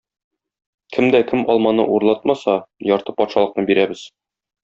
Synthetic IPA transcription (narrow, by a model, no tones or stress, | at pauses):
kʰɘmd̪ækɘmɒlˠmɑnɤʔuɾlˠɑt̪̚mɑsɑjɒɾt̪ɤpɒt̪ʃɑlˠɤ̆qnɤbiɾæbɘz̥